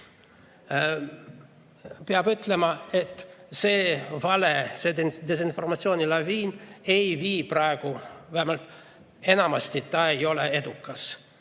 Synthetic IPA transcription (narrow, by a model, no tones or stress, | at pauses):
peɑbyt̪ˑlemɑe̞t̪ːseːvɑlesed̪d̪es̬info̞rmɑt̪sioːnilɑviːne̞jviːprɑeɡ̥uvæhemɑlt̪ˑ | e̞nɑmɑst̪it̪ːɑejo̞lee̞d̪ukːɑs